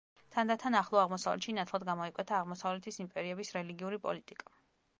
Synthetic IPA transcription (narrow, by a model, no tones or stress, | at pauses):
t̪ʰand̪at̪ʰanaχlˠɔaʁmɔsavlʔɛ̰t̪ʃinat̪ʰlˠad̪ɡamɔikʼwɛt̪ʰaːʁmɔsavlɛt̪ʰisimpʼɛɾiɛbisɾɛliɡiuɾipʼɔ̰lit̪ʼikʼḁ